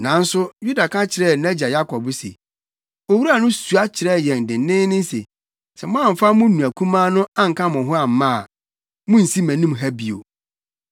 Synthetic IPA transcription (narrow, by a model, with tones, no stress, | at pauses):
nã˨˦n̩˦sʊ˦ju˦da˨kʰã˦t͡ɕʰɪ˨ɾɛ˦˨nɛ̃˦d͡ʑa˨ja˦kʰɔ˨bʊ˦sḛ˨ | o˨wu˦ɾu˦a˨nʊ̃˦su˨a˦t͡ɕʰɪ˨ɾɛ˦˨jɛ̃˨n˨dɪ̃˨n˦nɪ̃ː˦nɪ̃˦n˦sḛ˨ | sɛ˨mʊ̃˦ã˦˨m̩˨fa˦mʊ̃˦nũ˨æ˨kʰũ˦mãː˦nʊ̃˦ã˦ŋ̩˨kã˦mʊ̃˨ɦʊ̃˦a˨m̩˦mã˦a˨ | mʊ̃˦n̩˨si˦mæ̃˨nĩ˦mɦæ˦bi˨o̰˨